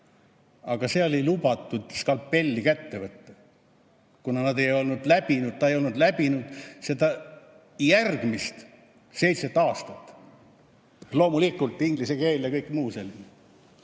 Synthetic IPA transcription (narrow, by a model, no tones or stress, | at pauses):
ɑɡ̥ɑse̞ːo̞lʲilub̥ɑt̪ːˑud̪skɑlpːe̞lʲːikæt̪ːe̞vɤt̪ːɑ | kunɑnɑd̪e̞jo̞lnud̪̥læb̥inud̪̥̚t̪ɑejo̞lnud̪læb̥inud̪̥se̞d̪̥ɑ | jærɡ̥mist̪ | se̞jt̪set̪ːˑɑːst̪ɑt̪ː | lo̞ːmulikult̪ːˑiŋɡ̥lisekeːljɑkɤjkmuːselmi